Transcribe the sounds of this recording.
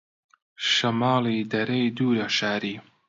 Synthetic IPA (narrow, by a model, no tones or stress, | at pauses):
ʃɐmɑːliːd̪ɐɾɐjd̪uːɾɐʃaːɾiː